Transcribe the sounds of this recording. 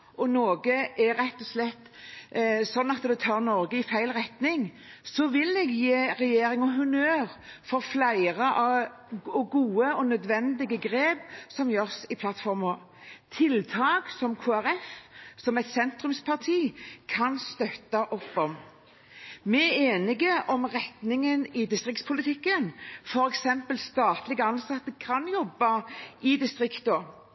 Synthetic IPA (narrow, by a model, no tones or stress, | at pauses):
ʔɔnoːɡəæɾɛt̪ːɔslɛt̪ː | sɔnːɑt̪d̪ɛt̪ʰɑːʁnɔɾɡəɪfæɪlʁɛt̪nɪŋ | sɔʋɪlɛɡjeːʁɛjeːɾɪŋəɦʉmøːʁfɔʁflæɪʁəʔɑ | ɔɡuːəɔnœd̪ʋɛnd̪ɪɡəɡʁeːbsɔmjøːʁsɪpʰlɑt̪fɔʁmɔ | t̪ʰɪlt̪ʰɑːksɔmkʰoːæʁɛfsɔmɛt̪sɛnt̪ʁʉmspʰɑʁt̪ʰiːkʰɑnst̪œt̪ːɑʔɔpːɔm | mɛeːnɪɡəʔɔmʁɛt̪nɪŋənɪd̪ɪst̪ʁɪkt̪spʰʊlɪt̪ʰɪkːənfɔɾɛksɛmpəlst̪ɑːt̪lɪɡəɑnsɑt̪ːəkʰɑnjɔbːɑʔɪd̪ɪst̪ʁɪkt̪ɔ